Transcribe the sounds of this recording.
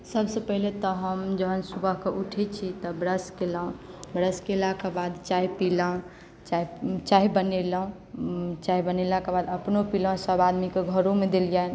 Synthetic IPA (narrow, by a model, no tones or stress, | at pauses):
səbsepəɦilet̪ɔɦəmd͡ʒəɦənsubəɦkeʔuʈʰɛt͡ʃʰit̪ɔbɾəskelaũbɾəskelakebad̪t͡ʃaɦipilaũ | t͡ʃait͡ʃaɦibənelaɦũ | t͡ʃaɦibənelakebad̪əpnopilãsəbad̪mikeɡʱəɾomed̪eljan